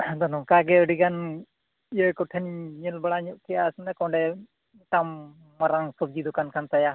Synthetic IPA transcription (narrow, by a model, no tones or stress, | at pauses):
d̪ɔnɔŋkaɡɛɔɖiɡan | ijɔjkɔʈʰɛnɲɛlbaɽaɲɔʔkɛjasnɛkɔ̃ɳɖɛ | ʈamː | aɾaŋsɔb̚d͡ʒid̪ɔkankʰant̪aja